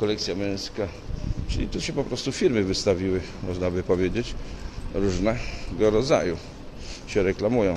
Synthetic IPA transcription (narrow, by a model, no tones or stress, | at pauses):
kɔlɛkt̪sʲjamʲɛ̃j̃ska | t͡ʂɘlʲit̪uɕɛpɔpɾɔst̪ufʲiɾmɘvɘst̪avʲiwɘ | mɔʐnabɘpɔvʲjed͡ʑet͡ɕɾuʐnɛɡɔɾɔd̪za̰ju | ɕɛɾɛklamujɔ̃w̃